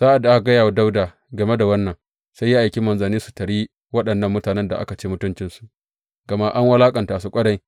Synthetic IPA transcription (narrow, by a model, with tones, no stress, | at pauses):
z̥aː˦ʔa˨dːa˨a˦ka˨ɡɐ˦jaː˨wa˦da˦wdaː˨ | ɡɐ˨me˦da˨wɐ˦nːɐ˨ŋ | sa˦jːa˦ʔa˨jkʲi˦mɐ˨nzɐ˨niː˦su̥˨tɐ˨ɽiː˦ | wɐ˦ɗɐ˨nːɐ˦mːʊ˦taː˨nɛ˦nda̰˨ʔa̰˦ka˨t͡ʃeː˦mʊ˦tʊ˦nt͡ʃɪ˦nsu˨ʔ | ɡ̥ɐ˨ma˦ʔa˦ŋwɐ˦laː˦kʼɐ˨ntaː˨su˦kʷʼɐ˦ɽɐ˦j